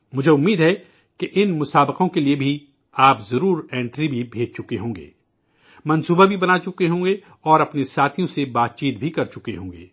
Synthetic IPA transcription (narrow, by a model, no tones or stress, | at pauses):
mʊd͡ʒʱeʊmːiːd̪ɦɛ | keʔɪnmʊsaːbəqõkeliebʱi | aːpzɐɾuːɾɛ̃ːɳʈɾibʱibʱeːd͡ʒʱt͡ʃʊkeɦõːŋɡḛː | mɐ̃nsuːbabʱibɐnaːt͡ʃʊkeɦõːŋɡe | ɔːɾɐpnesaːt̪ʰijõsebaːt̪̚t͡ʃiːt̪̚bʱikɐɾt͡ʃʊkeɦõːŋɡḛː